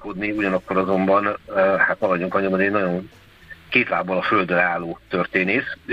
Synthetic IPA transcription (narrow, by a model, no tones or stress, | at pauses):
kod̪niuɟɒnɒkːo̞ɾɒzo̞mbɒnhat̪mɒlɒɟoŋkɒɲombod̪eːnɒɟo̞n | keːt̪la̰ːbːɒlɒføld̪ølaːlːoːt̪ørt̪eːneːs